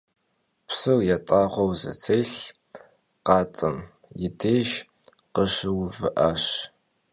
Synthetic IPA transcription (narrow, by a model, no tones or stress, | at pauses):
pʰsɨwjatʼɑːʁʷɔwzɨ̰t͡sʰeːɬ | qɑːt͡sʼɨm | jɪdeːʒ | qəʃɨwvɨʔaɕ